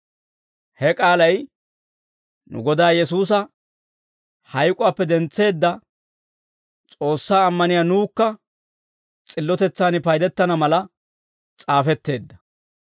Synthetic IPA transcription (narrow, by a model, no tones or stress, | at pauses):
hɛkʼaːlɐj | nʊ̰ɡɔd̪aːjɛsuːs̬ɐ | hɐjkʼʊaːpːɛd̪ɛnt͡sːe̞ːd̪ːɐ | t͡sʼo̞ːsːaːmːɐnɪjaːnuːkːɐ | t͡sʼɪlːɔt̪ɛt͡sːaːnɪpɐjd̪ɛt̪ːɐnɐmɐlɐ | t͡sʼaːfɛt̪ːe̞ːd̪ːɐ